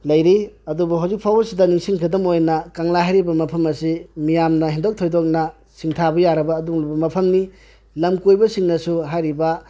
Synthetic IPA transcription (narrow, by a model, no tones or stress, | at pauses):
lɐjɾiɐdubuɦawzik̚pʰawbɐsidɐniŋsiŋkʰɐdɐmojnɐkaŋlaɦajɾibɐmɐpʰɐmɐsimijamnɐɦindok̚tʰojdok̚nɐ | siŋtʰabɐjaɾɐbɐːduŋlubɐmɐpʰɐmni | lɐmkojbɐsiŋnɐsuɦajɾibɐ